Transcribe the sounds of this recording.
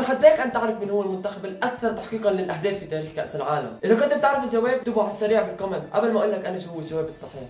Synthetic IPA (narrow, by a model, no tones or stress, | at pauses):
lħad̪ːæːkʔant̪ɪʕɾˤɑfmɪnhʊwːælmʊnt̪axablʔak̚θɑɾˤt̪aħqiːqɑnlɪlʔahd̪æːfːid̪æːɾiːxka̰ʔsɪlʕaːla̰mʔɪzakʊnt̪ɪb̚t̪eʕɾɑfɪlʒawæːb̚d̪ubaʕasːæɾiːʕbɪlqɑmad̪ʔa̰balmaʔʊlːakʔanaʃhʊwːælʒawæːbɨsˤːɨħiːħ